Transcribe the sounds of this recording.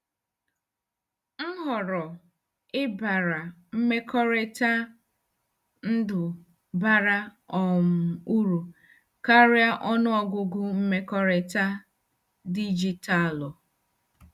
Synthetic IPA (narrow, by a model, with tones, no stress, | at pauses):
ŋ̩˦ɦɔ˨ɾɔ˨ | ɪ˦ba˨ɾa˨m̩˦me˦kʰɔ˦ɾe˦ta˦ | n̩˦dʊ˨ | ba˦ɾa˦ | ɔ˨m̩˨u˦ɾu˨ | ka˦ɾɪ˦a˦ʔɔ˦nʊ˦ɔ˨ɡʊ˦ɡʊ˦m̩˦me˦kɔ˦ɾe˦ta˦ | di˦d͡ʒi˦ta˦˨lɔ˨